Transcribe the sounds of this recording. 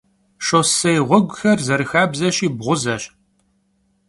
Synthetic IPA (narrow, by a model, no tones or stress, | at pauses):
ʂosɐjʁʷɔɡʷʊxɐrzɐɾɨxaːbzɐɕiːbʁʷʊzɐɕʼ